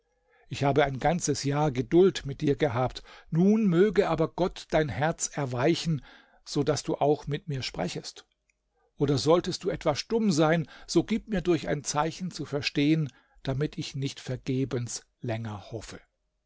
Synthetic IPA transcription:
ʔɪçhaːbəaɪnɡant͡səsjaːɐɡədʊltmɪt̚d̥iːɐɡəɦaːptnuːnmøːɡəʔaːbɐɡ̥ɔtd̥aɪnhɛɐt͡sɛɐvaɪçn̩ | z̥oːdasd̥uːʔaʊxmɪtmiːɐʃpʁ̥ɛ̰çəst | ʔoːdɐzɔltəst̚d̥uːʔɛtv̥asʃtʊmzaɪnz̥oːɡiːp̚miːɐdʊɐça̰ɪnt͡saɪçn̩t͡sufɛɐʃteːən | d̥amɪtʰɪçnɪçtfɛɐɡeːbəns | lɛŋɐhɔfə

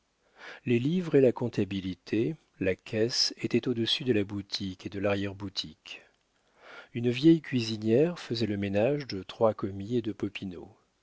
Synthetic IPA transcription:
lelivʁelakɔ̃t̪abilit̪ʰe | lakʰʲɛset̪ɛt̪od̪əsyd̪əlabut̪ʰiked̪əlaʁjɛʁbut̪ʰik | ynvjɛjkʲɥizinjɛʁfəzɛləmenaʒd̪ət̪χwakɔmied̪əpɔpino̰

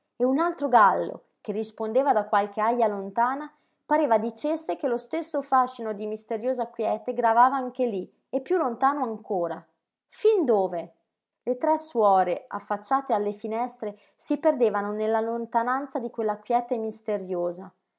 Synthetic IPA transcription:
eunalt̪ɾoɡalːo̰ | k̟erːispond̪eːvad̪akːwalk̟eajːalont̪aːna | paɾeːvad̪it͡ʃesːekelost̪esːofaʃːinod̪imist̪eɾjoːzakwjɛːt̪eɡɾavaːvaaŋk̟eli | epːjulːont̪aːnoaŋkoːɾa | find̪oːve | let̪ɾɛsːwɔːɾea̰fːat͡ʃːaːt̪ealːefinɛst̪ɾe | siperd̪eːvanonelːalont̪anant̪sad̪ikwelːakwjɛːt̪emist̪eɾjoːza

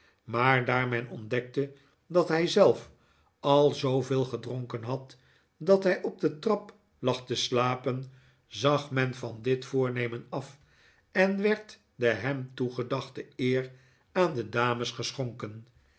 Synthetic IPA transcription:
maːɹdaːɹmɛnɔndɛk̚tə | dɑtɦɛjzɛlˠf | ɑlˠzowveːlˠχədroŋkənɦɑt | dɑtɦɛjɔb̚dətrɑp | lɑχtəslaːpən | zɑχmɛnvɑndɪtfʊːɹnejmənɑf | ɛnʋɛɹt | dəɦɛmtuχədɑχtəɪːr | aːndədaːməsχəsχoŋkən

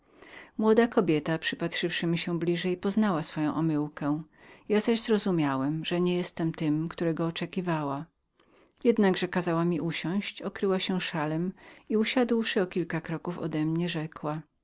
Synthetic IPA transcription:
mwɔd̪akɔbʲjɛt̪apʂɘpat̪ʂɘfʂɘmʲiɕɛ̃blʲiʐɛjpɔznawasfɔjɔ̃w̃ʔɔmɘwkɛ̃ | jazaʑzɾɔzumʲjawɛmʐɛɲɛjɛst̪ɛmt̪ɘmkt̪uɾɛɡɔːt͡ʂɛkʲivawa | jɛd̪naɡʐɛkazawamʲiʔuɕɔ̃w̃ɕt͡ɕɔkɾɘwaɕɛ̃ʂalɛmiuɕad̪wʂɘɔkʲilkakɾɔkufɔ̰d̪ɛmɲɛʐɛkwa

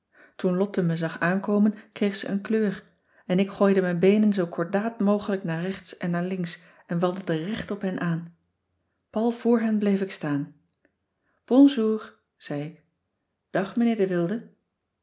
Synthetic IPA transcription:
tunlɔtəməzɑχaːnkowmənkrejχsə̰ʔə̰nkløːr | ɛnɪkχoːjdəmɛjnbejnənzowkʰɔɹdaːtmowχələknaːrɛχtsɛnːaːɹlɪŋks | ɛnʋɑnˠdədərɛχtɔpɦɛnʔaːn | pɑlˠv̥ʊːɹɦɛnblejfɪkstaːn | b̥ɔnzuːr | z̥ɛjɪk | d̥ɑχmənɪːɹdəʋɪlˠdə

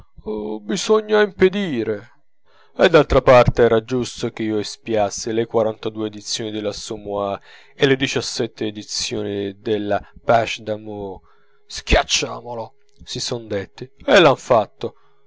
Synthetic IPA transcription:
bizɔɲːaimped̪iːɾe | ed̪ːalt̪ɾapart̪eɛːɾad͡ʒust̪okeiːoespjasːilekwaɾant̪ad̪uːeːd̪it̪sːjoːnid̪elasumua | elːed̪it͡ʃasːɛt̪ʰːeːd̪it̪sjo̰ːnid̪elːapaʃd̪amo | skjat͡ʃːa̰ːmolo | sisɔnd̪et̪ːielːaɱfat̪ːo

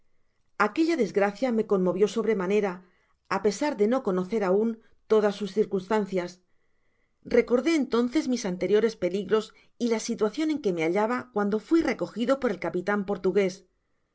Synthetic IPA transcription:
ake̞ʎaðe̞zɣɾaθjame̞ko̞nmːo̞βjo̞so̞βɾe̞mane̞ɾaː | pe̞saɾðe̞no̞ko̞no̞θe̞ɾaun | t̪o̞ðasːusθiɾkunst̪an̟θjas | re̞ko̞ɾðe̞ːnt̪o̞n̟θe̞zmisant̪e̞ɾjo̞ɾe̞spe̞liɣɾo̞s | ilasit̪waθjo̞ne̞ŋke̞me̞aʎaβakwand̪o̞fwire̞ko̞xiðo̞po̞ɾe̞lkapit̪ampo̞ɾt̪uɣe̞s

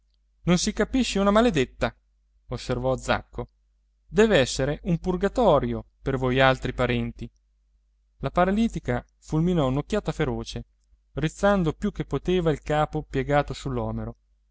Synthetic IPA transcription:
nonsikapiʃːeunamaled̪et̪ːa | osːervɔd̪za̰kːo | d̪ɛːveɛsːeɾeʔumpurɡat̪ɔːɾjopervojalt̪ɾipaɾɛnt̪i | lapaɾaliːt̪ika | fulminɔunok̟ːjaːt̪afeɾoːt͡ʃe | rit̪sːand̪opjukːepːot̪eːvailkaːpopjeɡaːt̪osulːɔːmeɾo

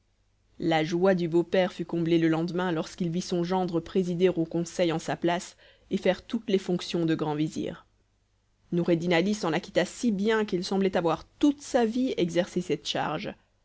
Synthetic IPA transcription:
laʒwad̪ybopɛʁfykɔ̃bleləlɑ̃d̪mɛ̃lɔʁskilvisɔ̃ʒɑ̃d̪ʁəpχezid̪eʁokɔ̃sɛjɑ̃saplas | efɛʁt̪ut̪lɛfɔ̃ksjɔ̃d̪əɡʁɑ̃vizḭːʁ | nuʁed̪inalisɑ̃lakʲi̥t̪asibjɛ̃kilsɑ̃blɛt̪avwaʁt̪ut̪saviɛɡzɛʁsesɛt̪ʃa̰ʁʒ

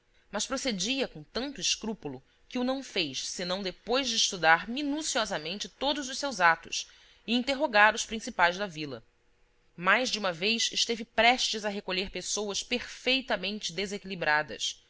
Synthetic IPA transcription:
mɐʃpɾosed͡ʒiɐkõt̪ɐ̃nt̪ʊɪʃkɾupulʊ | kɪʊnɐ̃w̃fejʃsɪnɐ̃w̃d̪epojzd͡ʒɪiʃt̪ud̪aɾminusiɔzɐmẽnt͡ʃɪt̪od̪ʊzʊʃsewzat̪ʊs | ɪĩnt̪eɦoɡaɾʊspɾĩsipajzd̪ɐvilɐ̰ | majʒd͡ʒɪũmɐvejʃɪʃt̪evɪpɾɛʃt͡ʃɪzɐɦekoʎeɾpesowɐspeɾfejt̪ɐmẽnt͡ʃɪd̪ezekilibɾad̪ɐ̰s

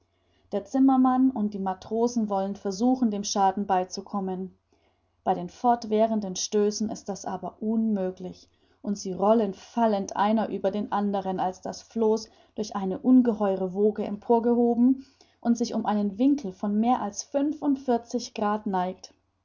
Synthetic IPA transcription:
d̥eːɐt͡sɪmɐmanʊnt̚d̥iːmatʁ̥oːzn̩vɔlənfɛɐzuːxn̩deːmʃaːdn̩baɪt͡sukʰɔmən | b̥aɪɾeːnfɔɐtv̥ɛːʁəndənʃtøːsn̩ɪ̰st̚d̥asʔaːbɐʔʊnmøːklɪç | ʔʊntz̥iːʁɔlənfaləntʔa̰ɪnɐʔyːbɐdeːnʔandəʁ̞ənalsd̥asfloːs | d̥ʊɐçʔaɪnəʔʊnɡəhɔʏʁəvoːɡəɛ̰mpʰoːɐɡəhoːbm̩ | ʔʊntz̥ɪçʊmʔaɪnənvɪŋkl̩fɔnmeːɐʔalsfʏnfʊntfɪɐt͡sɪçɡ̥ʁaːtnaɪkt

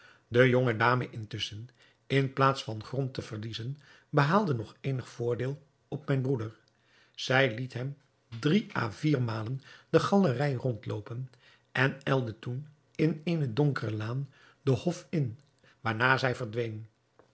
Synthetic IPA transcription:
dəjɔŋədaːməʔɪntʏsən | ɪnplaːtsfɑnχrɔntəv̥əɹlizən | bəɦaːlˠdənɔχejnəχfʊːɹdɪːlˠ | ɔpmɛjnbrudəɹ | z̥ɛjlitɦɛm | driʔa̰ːviːɹmaːlənd̥əχɑlərɛjrɔntlowpən | ʔɛnɛlˠdətun | ɪnejnədɔŋkərəlaːn | dəhɔfɪn | ʋaːɹnaːzɛjvəɹdʋejn

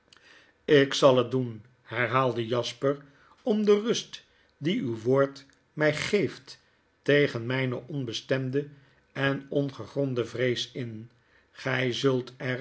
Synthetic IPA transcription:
ɪksɑlˠət̚dun | hɛɹɦaːlˠdəjɑspər | ɔmdərɵst | diywʋoːɹt | mɛjχejft | tejχənmɛjnəʔɔnbəstɛmdə | ɛnɔnχəχrɔndəvrejsɪn | χɛjzɵlˠtɛr

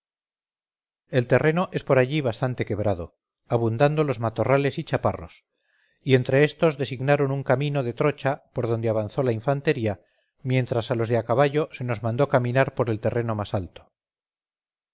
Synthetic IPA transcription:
e̞lt̪e̞re̞no̞ʔe̞spo̞ɾaʎiβ̞ast̪ant̪e̞ke̞βɾað̞o̞̰ | aβ̞und̪and̪o̞lo̞zmat̪o̞rale̞sit͡ʃapa̰ro̞̰s | ie̞nt̪ɾe̞e̞st̪o̞zðe̞siɣnaɾo̞nuŋkamĩno̞ðe̞t̪ɾo̞t͡ʃapo̞ɾð̞o̞nd̪e̞aβ̞anθo̞laiɱfant̪e̞ɾia | mje̞nt̪ɾasalo̞zðeakaβaʝo̞se̞no̞zmãnd̪o̞kamĩnaɾpo̞ɾe̞lt̪e̞re̞no̞masalt̪o̥

